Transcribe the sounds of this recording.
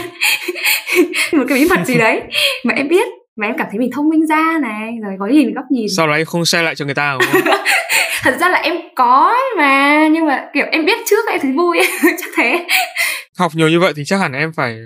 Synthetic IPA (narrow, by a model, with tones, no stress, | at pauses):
m̚˨˩kaː˨˦ɓi˨˦mə˨˩t̚zi˨˩ɗə˨˦jmaː˨˩ʔɛ˧mɓi˦˥ət̚ | maː˨˩ʔɛ˧maː˧˩t̪ʰə˨˦jmi˨˩t̪ʰə˧wŋ͡mmï˧ŋ̟zaː˧na˨˩jzo˨˩kɔ˨˦zi˨˩mi˨˩ŋɣɔ˦˥k͡p̚ɲi˨˩nsa˧wɔ˨˩ʔɛ˧mxə˧wŋ͡msɛ˧la̰ː˧˨jt͡ɕɔ˧ŋɨ˨˩əjt̪aː˧˨˩ | t̪ʰə˨˩t̚zaː˧laː˨˩ʔɛ˧mkɔ˨˦maː˨˩ɲɨ˧ŋma̰ː˨˩ki˧˩əmʔɛ˧mɓi˦˥ət̚t͡ɕɨ˦˥ək̚ːɛ˧mt̪ʰə˨˦j̟vo˧jt͡ɕḁ˦˥k̚t̪ʰe˨˦ | ha˨˩wk͡p̚ɲi˨˩əwɲɨ˧və̰˧˨jt̪ʰi˨˩t͡ɕaː˦˥k̚ha˧˩ʔɛ˧mfaː˧˩j